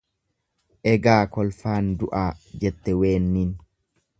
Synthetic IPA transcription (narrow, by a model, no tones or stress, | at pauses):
ʔɛɡaːkɔlfaːnd̪ʊʔaːd͡ʒɛt̪ːɛweːnːiːn